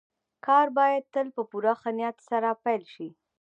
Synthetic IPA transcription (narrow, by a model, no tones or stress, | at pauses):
kɑɾbɑjad̪̚t̪əlpəpuɾaxanjat̪saɾapajlʃi